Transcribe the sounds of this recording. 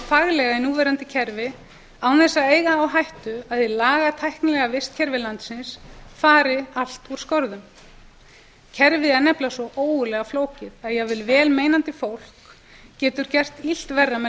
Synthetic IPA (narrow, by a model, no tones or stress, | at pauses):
faɣlɛɣainuːvɛɾant̪ɪcʰɛɾvɪ | awnθɛsːaeːjɣaːwɦajht̪ʏaðɪlaːɣat̪ʰajhknɪlɛɣavɪst̪cʰɛɾvɪlant̪sɪnsfaːɾɪal̥t̪uɾ̥skɔɾðʏm | cʰɛɾvɪɛɾnɛplasɔʔoːwɣʏlɛɣafloːwcɪðaðjɛɣvɪlvɛːlmeːjnant̪ɪfowl̥k | cɛːt̪ʏɾ̥cɛr̥t̪il̥t̪vɛrːamɛ